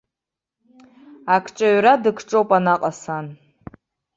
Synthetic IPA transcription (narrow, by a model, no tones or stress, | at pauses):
akʰt͡ʃʼaɥɾadɨkʰʈ͡ʂʼowpʼanaqʼasan